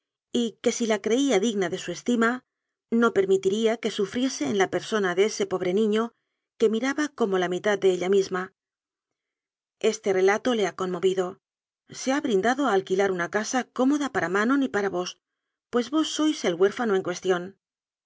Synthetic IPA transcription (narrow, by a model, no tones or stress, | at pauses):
ike̞silakɾe̞iaðiɣnaðe̞sue̞st̪ima | no̞pe̞ɾmit̪iɾiake̞sufɾje̞se̞ːnlape̞ɾso̞naðe̞e̞se̞po̞βɾe̞nĩɲo̞ | ke̞miɾaβako̞mo̞lamit̪at̪̚d̪e̞eʎamizma | e̞st̪e̞re̞lat̪o̞le̞ako̞nmo̞βiðo̞ | se̞aβɾind̪aðoaːlkilaɾunakasako̞mo̞ðapaɾamãno̞nipaɾaβo̞s | pwe̞zβo̞sːo̞jse̞lɣwe̞ɾfano̞e̞ŋkwe̞st̪jo̞n